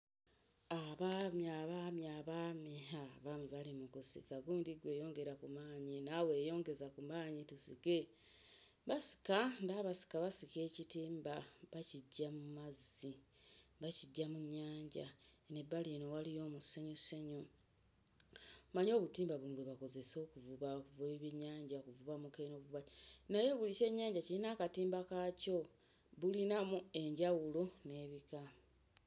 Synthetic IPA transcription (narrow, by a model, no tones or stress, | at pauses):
aβamjaβamjaβameɦaβamiβalimukusḭkaɡuːndiɡwe̞ːjo̞ːŋɡe̞ɾakumaːɲinawe̞ːjo̞ːŋɡe̞zakumaːɲitusike̞ | βasi̥kandaβasi̥kaβasike̞ːcitiːmbaβaciɟːamumazːi | βaciɟːamuɲːaːɲɟa̰nebalinowalijo̞ːmuseɲoseɲo | maɲo̞ːβutiːmbaβuŋdɡweβako̞ze̞so̞ːkuvuβakuveβiβiɲːaːɲɟakuvuβamukeno̞βuvuβanaje̞βulice̞ːɲːaːɲɟacilinaːkatiːmbakaco̞ | βulinamue̞ɲɟawulone̞ːβika